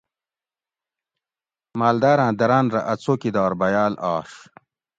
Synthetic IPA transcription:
maːld̪aːɾãːd̪ɐɾaːnɾɐ̰ʔɐt͡sʰokid̪ɑːɾbɐjaːlɑːʂ

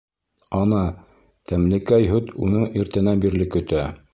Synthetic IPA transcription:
ɑnɑ | t̪æmlɘ̆kæjɦɵt̪unɤɴiɾt̪ɘ̆næbiɾlɘkɵ̆t̪æ

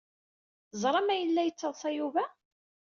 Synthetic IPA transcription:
zˤɾˤɑmæjəlːæjət͡sːəðˤsæjuvæ

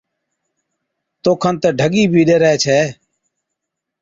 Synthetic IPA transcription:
t̪oːkʰənt̪əːɖʱəɠiːbʱiːɗeːɾəeːt͡ʃʰeː

